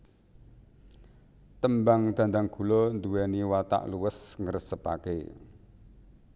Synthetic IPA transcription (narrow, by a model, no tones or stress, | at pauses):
t̪əmbaŋd̪̥a̤nd̪aŋɡ̥ṳlɔnd̪uwɛniwat̪a̰ʔluwəsŋərsəpa̰kḛ